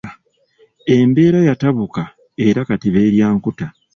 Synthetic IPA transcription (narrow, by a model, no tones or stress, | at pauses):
e̞mbe̞ːɾajataβuka | e̞ɾakatiβe̞ːɾjaːŋkuta